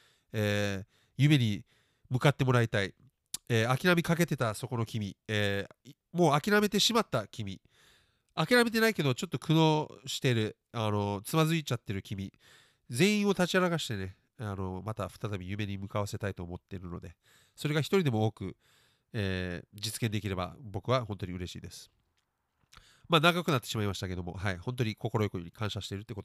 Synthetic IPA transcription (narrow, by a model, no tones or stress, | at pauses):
eː | jɯme̞ɲ̟i | mɯ̟kat̪ːe̞mo̞ɾait̪ai | eːakʲiɾamʲikake̞t̪e̞t̪aso̞ko̞no̞kʲimʲieː | mo̞ːakʲiɾame̞t̪e̞ɕimat̪ːakʲimʲi | akʲiɾame̞t̪̬e̞naike̞d̪o̞t͡ɕo̞t̪ːo̞kʰɯ̟no̞ɕi̥t̪e̞ɾɯ̟ | ano̞t͡sɨmazɨit͡ɕat̪ːe̞ɾɯ̟kʲimʲi | d͡zẽ̞ɰ̃ĩɰ̃o̞t̪at͡ɕiaɾaɡaɕi̥t̪e̞ne̞ | ano̞mat̪aɸɯ̥t̪at̪abʲijɯ̟me̞ɲ̟imɯ̟kaβase̞t̪ait̪o̞ːmo̞t̪ːe̞ɾɯ̟no̞̰d̪e̞ | soɾe̞ɡaçi̥t̪o̞ɾʲid̪e̞mo̞oːkɯ̟ | eːd͡ʑit͡sɨ̥kend̪ekʲiɾe̞ba̰bo̞kɯ̟βaɦõ̞nt̪o̞ɲiɯ̟ɾe̞ɕḭːd̪e̞sɨ̥ | maːnaɡakɯ̟nat̪ːe̞ɕimaimaɕi̥t̪ake̞d̪o̞mo̞̰ɦaihõ̞nt̪o̞ɲ̟iko̞ko̞ɾo̞jokooɲ̟ikʰãɕaɕi̥t̪e̞ɾɯ̟t̪ːekot